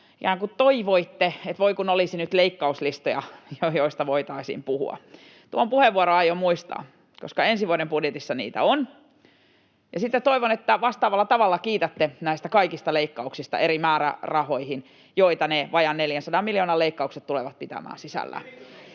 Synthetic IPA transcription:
ikæːŋkutt̪oiʋoit̪ːeet̪ʋoikunolisinyt̪leikːɑuslist̪ojɑ̰jojoist̪ɑʋoit̪ɑisḭmpuhṵɑ̰ | t̪uompuheʋuoɾoɑjomuist̪ɑ̰ː | koskɑensiʋuoɾembudjet̪isːɑnḭːt̪æ̰on | jɑsit̪ːett̪oiʋonet̪ːæʋɑst̪ɑːʋɑlːɑt̪ɑʋɑlːɑkiːt̪æt̪ːenæist̪ækɑikist̪ɑleikːɑuksist̪ɑ̰eɾimæːɾæ̰rɑhoihin | joit̪ɑneʋɑjɑnneljænsɑdɑmiljoːnɑleikːɑukset̪tuleʋɑt̪̚pit̪æ̰mæ̰ːnsisæ̰lːæ̰

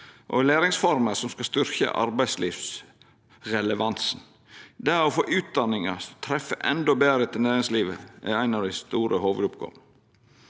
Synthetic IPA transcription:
ʔɔ̰leːɾɪŋsfɔɾməsɔmskɑst̪ʏɾçə̰ʔɑ̰ɾbæɪsliːʋs | ɾɛləʋɑnsn̩ | d̪ɛæɾɔfoːʔʉːt̪̚d̪ɑnɪŋɑst̪ʰɾɛfːəʔɛnd̪ɔbeːɾət̪ʰɪlnæːɾɪŋsliːʋəʔæ̰æɪnɑʋd̪æɪst̪uːɾəhoːʋəd̪ʊpɡɔ̰m

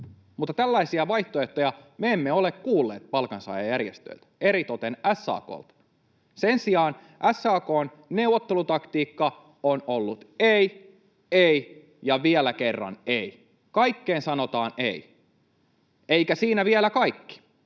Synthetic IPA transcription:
mut̪ːɑt̪ælːæisiɑʋɑiht̪oeht̪ojɑmeemːeolekkuːlːeːt̪̚pɑlkɑnsɑ̰ːjɑjærjest̪ø̰lt̪eɾit̪ot̪enæsːɑ̰ːko̰ːlt̪ | sensiɑːn | ʔæsːɑːkoːn | ne̞uwːot̪ːelut̪ɑkt̪iːkːɑ | onolːut̪ei | ei | jɑʋielækerːɑ̰nei | kɑikːeːnsɑnot̪ɑːnḛi | eikæsiːnæʋielækɑikːi̥

